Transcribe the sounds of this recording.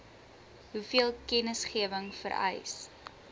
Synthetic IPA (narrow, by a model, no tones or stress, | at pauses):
ɦufiəlˠkɛnəsχiəvəŋfə̰ɾɐ̰js